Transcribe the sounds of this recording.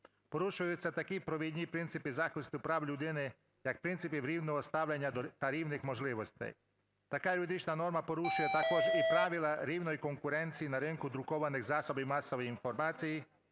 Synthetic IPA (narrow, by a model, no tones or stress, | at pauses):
pɔɾuʃʊjʊt͡sʲːat̪akipɾɔʋʲid̪ʲnʲipɾɪnt̪sɪpizaxlˠɪst̪ʊpɾawlʲud̪ɪnɪ | jak̚pɾɪnt̪sɪpiʋɾʲiwnɔɦɔst̪awlʲanʲːat̪aɾʲiwnɪxmɔʒlˠɪʋɔsʲt̪ɪ̰j | t̪akalʲud̪ɪt͡ʃnanɔɾmapɔɾuʃʊjɛt̪akɔʒɛipɾaʋilˠaɾʲiwnɔjkɔŋkʊɾɛnt̪sʲijinaɾɪŋkʊd̪ɾukɔʋanɪɣzasɔbimasɔʋɔjinfɔɾmat͡sʲiji